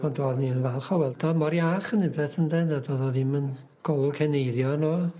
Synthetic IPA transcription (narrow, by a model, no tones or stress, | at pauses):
ɔdoːðniənvɛlˠχɔwɛlˠdɔmɔɾjaχənɪbɛθəndɛnadoðoðimən | ɡ̥ɔlˠkʰɛnejðjɔnoː